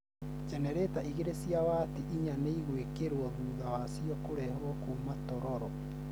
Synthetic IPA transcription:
d͡ʒɛnɛɾetaʔiɣeɾesiawaːtiʔiɲaneiɣwekeɾwɔðuːðawasiɔkoɾɛhɾwɔkumatɔɾɔɾɔ

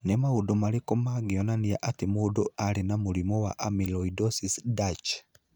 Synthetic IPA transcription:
nemaudomaɾekomaɡiɔnaniaʔatemodoaɾenamuɾimɔwa̰ʔamilɔidɔsisdat͡ʃ

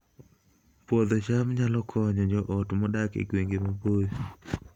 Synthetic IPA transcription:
pwɔd̪ɔt͡ʃamɲalɔkʰɔɲɔd͡ʒɔʔɔtmɔdakḛɡweŋɡemaboj

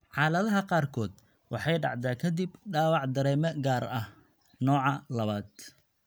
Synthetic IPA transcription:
ʕɑːlɐðɐɦɐqɑːrkʰɔːd̪ | wɑ̰ħɑjɖɑ̰ʕd̪aːkʰɐd̪ibɖaːwɑʕd̪ɐɾɛːmɐɡaːrɐh | nɔːʕɑlɐβaːd̪

